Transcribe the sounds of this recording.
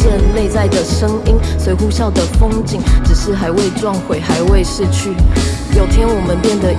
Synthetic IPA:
ə˥˧nle˥˧ɪt͡sa˥˩ɪd̪ə˩ʂə˦ŋi˥nswe˧˥ɪxu˥ɕjɑ˥˩ʊd̪ə˩fo˥ŋt͡ɕi˨˦ŋʈ͡ʂɻ̩˨˩ʂɻ̩˥˩xa˧˥ɪwe˥˧ɪʈ͡ʂwɑ˥˩ŋxwe˨˩˦ɪxa˧˦ɪwe˥˧ɪʂɻ̩˥˧t͡ɕʰy˥˩ | jo˨˩ʊt̪ʰjɛ˦˥nwɔ˨˩mə˨˦npjɛ˥˩nd̪ə˨˦

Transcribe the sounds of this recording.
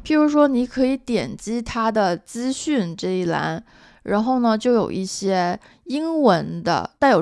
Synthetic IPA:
pʰi˨˩ɻu˧˥ʂwɔ˥ni˧˥kʰɤ˧˥i˧˥t̪jɛ˨˩nt͡ɕi˥t̪ʰa˥d̪ə˨t͡sɹ̩˥ɕy˥˩nʈ͡ʂɤ˥˧i˥˩la̰˧˥n | ɻa̰˧˥nxo˥˩ʊnə˩t͡ɕjo˥˩ʊjo̰˨˩ʊʔi˥˩ɕjɛ˥ | i˥ŋwə˧˥nd̪ə̰˧t̪a˥˩ɪjo˨˩

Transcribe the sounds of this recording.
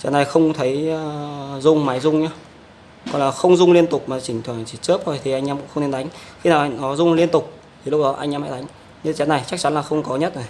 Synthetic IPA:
t͡ɕɛ˨˦na˨˩jxə˧wŋ͡mt̪ʰə˨˦jzʊ˧ŋ͡mma˨˦jzʊ˧ŋ͡mɲaː˧ | kɔ˨˧˩nlaː˨˩xə˧wŋ͡mzʊ˧ŋ͡mli˧ənt̪ʊ˨˩k͡p̚maː˨˩t͡ɕï˧˩ŋ̟t̪ʰwaː˧˩nt͡ɕi˧˨˩t͡ɕɨ˦˥p̚zo˨˩jt̪ʰi˨˩ʔa˧ŋʔaː˧mkʊ̰˧˥ə˧ŋ͡me˧nɗa˨˦jŋ̟xi˧naː˨˩wʔnɔ˨˦zʊ˧ŋ͡mli˧ənt̪ʊ˨˩k͡p̚ | t̪ʰi˨˩lʊ˦˥k͡p̚ɗɔ˨˦ʔa˧jŋʔːmha̰˧˥˩ɗa˨˦ŋ̟ | ɲɨ˧t͡ɕɛ˨˦na˨˩jt͡ɕa˦˥k̚t͡ɕa˨˦nlaː˨˩xə˧wŋ͡mkɔ˨˦ɲə˦˥t̚zo˨˩j

